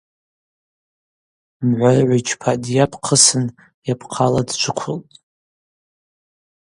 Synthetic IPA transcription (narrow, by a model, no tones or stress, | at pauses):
mʕʷarʕʷit͡ʃʰpʰadjapʰqʰəsɨn | japʰqʰaladt͡ʃʷʰʊkʷʰʊltʼ